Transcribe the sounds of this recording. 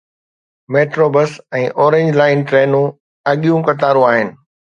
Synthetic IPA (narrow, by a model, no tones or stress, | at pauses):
meːʈɾoːbəsɛ̃ːʔɔːɾẽːɲd͡ʑlaːɪnʈɾeːnũ | ɐɠijũkɐt̪aːɾũaːɦɪnɪ̆